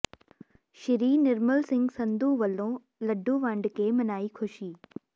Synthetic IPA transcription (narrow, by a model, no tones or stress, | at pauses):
ʃɪɾiːnɪɾməlsɪ̃ŋɡsɐ̃nd̪ũːʋɐlõː | lɐɖʱũːʋãːɳɖkeːmɐnaːikʰʊʃiː